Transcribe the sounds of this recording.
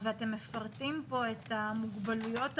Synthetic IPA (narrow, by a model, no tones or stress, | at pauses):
veate̞mːefaʁtimpo̞etamuɡbalujo̞t